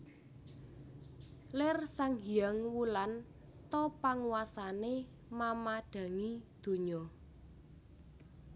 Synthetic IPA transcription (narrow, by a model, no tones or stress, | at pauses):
lɪrsaŋɡiaŋwulan | t̪ɔpaŋuwasane | mamaɖ̥a̤ŋid̪̥o̤ɲɔ